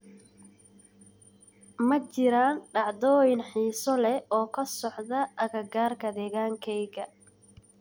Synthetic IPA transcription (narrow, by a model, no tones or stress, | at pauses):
mɐt͡ʃɪɾaːnɖɑʕd̪ɔːjɪnħiːsɔlɛɔːkʰɐsɔħðɐʔɐɣɐɡaːrkʰɐd̪ɛːɣaːŋkʰɛjɣɐ